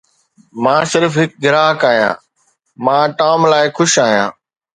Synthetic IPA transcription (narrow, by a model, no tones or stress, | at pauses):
mãːsɪɾfɦɪk̚ɡɪɾaːɦkaːɦjã̰ː | mãːʈaːmlaːɪxʊʃaːɦijã̰ː